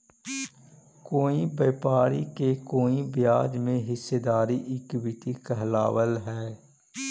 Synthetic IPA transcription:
koːibeːpaːɾikekoːĩbɪjaːd͡ʒmẽɦɪsːed̪aːɾiʔɪkwɪʈ̪ikɛɦlaːwəlɦɛː

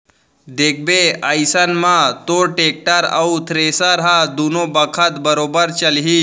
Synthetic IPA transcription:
d̪eːkʰbeajsənmãt̪oʈek̚ʈaɾa̰ut̪ʰɾeːsəɾɦad̪unobəkʰət̪bəɾobəɾt͡ʃəlɦi

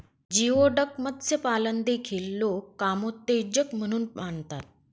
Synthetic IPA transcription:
d͡ʑioɖəkməd̪sepalənd̪ekʰiːlːokːamot̪ːed͡ʑəkm̤əɽ̃uːnmaɳt̪at̪̚

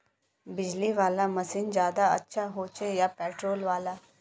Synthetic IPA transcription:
bid͡ʑliʋalaməsiːnd͡ʑjad̪aə̰tːɕʰaɦot͡ɕejapɛʈɾolʋala

